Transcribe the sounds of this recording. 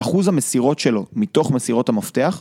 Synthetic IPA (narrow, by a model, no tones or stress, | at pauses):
aχuzhamesiʁo̞tʃe̞lo̞mit̪o̞χmesiʁo̞thamaft̪eaχ